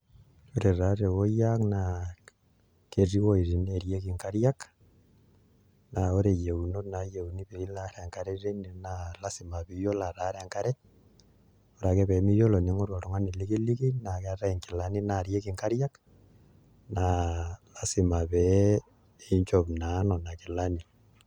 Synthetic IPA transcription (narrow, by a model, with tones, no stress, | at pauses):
oɾe˨ɾaɾe˨wojakna | ke˨ri˦wo˦i˨ɾi˨neɾjekiŋkaɾjak | na˨o˦ɾe˨je˨uno˦na˨jeuniβeilaɾeŋkaɾeɾe˦ninala˦sima˨βijo˦la˨ɾa˦ɾeŋka˦ɾe˦ | o˨ɾa˨ɣeβe˨mi˦jo˦lo˨ni˦ŋo˦ɾo˨ɾo˨ŋa˦ni˨li˦ɣi˦li˦ɣi˦naɣera˦eŋki˨la˦ni˦naɾje˦kiŋka˦ɾja˦k | nalasi˨ma˨βe | eɲt͡ʃoβna˨no˨na˨ki˨lani˨